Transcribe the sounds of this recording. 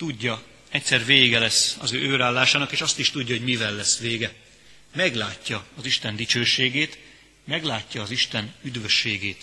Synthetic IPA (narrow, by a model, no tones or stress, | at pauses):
t̪uɟːɒ | ɛc̚ʲsɛrveːɡɛlɛsːɒzøːøːɾaːlːaːʃaːnɒkeːʃɒst̪iʃt̪uɟːɒɦo̞ɟmivɛlːɛsːʋeːɡɛ | mɛɡlaːcːɒɒziʃt̪ɛnd̪it͡ʃøːʃeːɡeːt̪ | mɛɡlaːcːɒːziʃt̪ɛnyd̪ʋø̞ʃːeːɡeːt̪